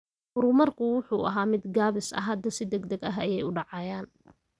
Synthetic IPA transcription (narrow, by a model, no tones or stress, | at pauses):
hʊɾʊmɐrkʰʊwʊħuːʔɐɦaːmɪd̪ɡaːβɪsɐ̰ɦɐd̪ɐsɪd̪ɛɡd̪ɐɡɐɦɐjɛjʊɖɑʕɑjaːn